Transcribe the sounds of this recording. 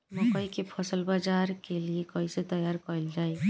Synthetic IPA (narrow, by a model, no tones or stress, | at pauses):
mɔkɔikepʰɔsəlbad͡ʒaɾkeliekɔiset̪ɔjaɾkɔɾild͡ʒaːe